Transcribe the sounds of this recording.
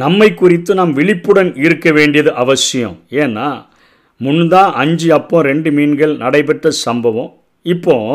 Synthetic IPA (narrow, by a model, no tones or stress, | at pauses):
nɐmːɐɪkːʊrɪt̪ːɯnaːmʋɪɭɪpːɯɽɐnɪɾɯkːɐʋeːɳɖɪjɐðɯʔɐʋɐsɪjɐ̰̃eːnːaː | mʊnːd̪ãːʔɐɲd͡ʒɯɐpːõɾɛɳɖɯmiːnɡɐɭnɐɽɐɪpɛʈːrɐsɐmbɐʋɐ̃ | ɪpːõː